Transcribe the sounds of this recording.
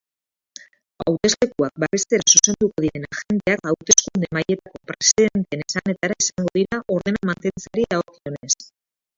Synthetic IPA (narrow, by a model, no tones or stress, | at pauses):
a̰wt̪e̞zle̞kuak̚baβe̞st̪e̞ɾasuse̞nd̪uko̞ð̞iɾe̞naxe̞nt̪e̞akawt̪e̞skund̪e̞maje̞t̪ako̞pɾe̞siðe̞nt̪e̞nesane̞t̪aɾaesaŋɡo̞ð̞iɾaʔo̞ɾðe̞namant̪e̞nt͡saɾiao̞kio̞ne̞s